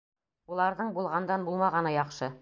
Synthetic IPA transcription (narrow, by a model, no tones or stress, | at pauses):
ulˠɑɾðɤɴbulˠʁɑnd̪ɑnbulˠmɑʁɑnɤjɒχʃɤ